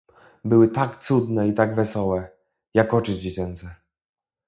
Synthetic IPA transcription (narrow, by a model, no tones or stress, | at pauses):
bɘwɘt̪akt̪sud̪nɛit̪aɡvɛsɔwɛ | jakɔt͡ʂɘd͡ʑet͡ɕɛnt̪sɛ